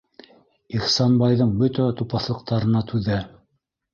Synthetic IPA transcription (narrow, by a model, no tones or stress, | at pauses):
iχsɑnbɑjðɤɴbɵt̪æt̪upɑθlˠɤ̆q̚t̪ɑɾɤ̆nɑt̪ʰʉðæ